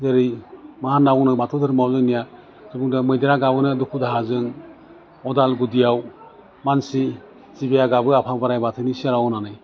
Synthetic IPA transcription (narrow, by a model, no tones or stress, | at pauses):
zeɾɯjmaɦanːawnɯmatʰɯdʰɯɾmawzɯŋnija | zubuŋdɯmɯjdiɾaɡabɯnɯdukʰudaɦazɯŋ | ɔdalɡudijaw | mansi | zibejaɡabɯapʰabaɾajbatʰɯjnisiaɾawnanɯj